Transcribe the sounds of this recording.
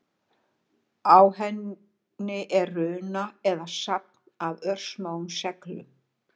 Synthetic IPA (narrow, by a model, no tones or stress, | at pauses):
aːwhɛnː | ɪʔɛrrʏːnaɛðasap̚navœr̥smaːwʏmsɛklʏ